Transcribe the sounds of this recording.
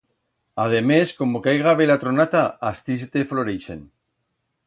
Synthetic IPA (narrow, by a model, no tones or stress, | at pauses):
að̞emesko̞mokajɣaβelat̪ɾonat̪aːst̪ist̪efloɾejʃḛn